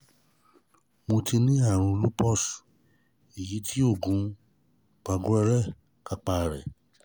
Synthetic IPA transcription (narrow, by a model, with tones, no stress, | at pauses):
mõ˧ti˧nĩ˦a˦˨ɾ̃ũ˧lu˦pɔ˦˨s | i˨ji˨˦tʰi˦o˦˨ɡũ˨˦ | k͡pa˧ɡu˦ɛ˧ɾɛ˦˨ | ka˧k͡pa˧˨ɾɛ̰˨